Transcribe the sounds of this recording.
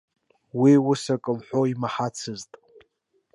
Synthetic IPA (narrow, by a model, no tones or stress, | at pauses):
wiwʊsakʼɨmħʷoimaħat͡sʰɨztʼ